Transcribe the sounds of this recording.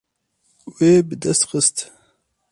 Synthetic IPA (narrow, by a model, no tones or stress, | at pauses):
weːbɨd̪ɛst̪xəst̪